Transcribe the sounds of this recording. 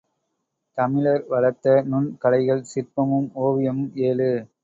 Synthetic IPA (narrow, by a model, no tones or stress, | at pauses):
t̪ɐmɪlɐɾʋɐɭɐt̪ːɐnʊnkɐlɐɪɣɐɭsɪrpɐmɯmoːʋɪjɐmɯmeːlɯ